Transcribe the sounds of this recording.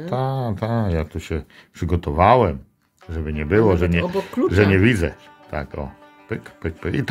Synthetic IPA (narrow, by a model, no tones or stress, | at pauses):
t̪at̪akjat̪uɕɛ | pʂɘɡɔt̪ɔvawɛm | ʐɛbɘɲɛbɘwɔʐɛɲɛbɔkuʐɛɲɛvʲid̪zɛ | t̪a̰kɔ̰ | pɘkpɘk̚pʔḭt̪